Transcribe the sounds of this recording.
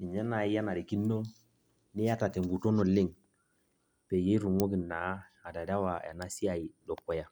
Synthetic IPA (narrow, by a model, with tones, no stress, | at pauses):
i˨ɲa˦na˨i˦ja˦na˨ɾi˨ki˦nːo˦ | ni˦ja˦ta˨te˨ŋɡu˨to˦no˨li˦ŋ | pe˨je˦i˦ɾu˨ŋo˦ɡi˨nːa˨˦a˨da˨da˦wa˨ja̰˨na˦si˦a˨ji˨do˨kːo˨ja˨